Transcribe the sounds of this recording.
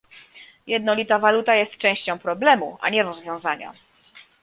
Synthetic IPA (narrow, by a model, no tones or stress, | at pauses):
jɛd̪̚nɔlʲit̪avalut̪ajɛst̪̚t͡ʂɛ̃w̃ɕt͡ɕɔ̃w̃pɾɔblɛmuʔa̰ɲɛɾɔzvʲjɔ̃w̃zaɲa̰